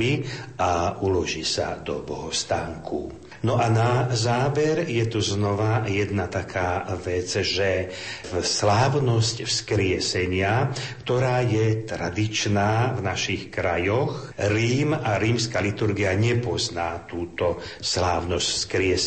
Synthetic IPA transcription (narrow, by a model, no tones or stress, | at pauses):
iʔaulɔʒiːsa̰d̪ɔbɔɦɔst̪aːŋkʰṵ | nɔʔanazaːʋɛɾjɛt̪uznɔʋajɛd̪nat̪akʰaːʋɛd͡zʒɛ | slaːʊnɔscfskɾɪɛsɛɲɪakt̪ɔɾaːjɛt̪ɾad̪it͡ʃnaːvnaʃixkɾajɔx | ɾiːmaɾiːmskalit̪uɾɡiaɲɛpɔznaːt̪uːt̪ɔslaːʊnɔscfskɾɪɛs